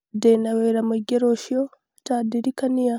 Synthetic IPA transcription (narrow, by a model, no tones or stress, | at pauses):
denaweːɾamoɡeɾoʃio | taːdiɾikanija